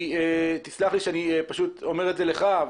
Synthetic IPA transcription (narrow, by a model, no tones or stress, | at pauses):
et̪islaχliʃeaniepaʃut̪o̞me̞ʁetzeleχa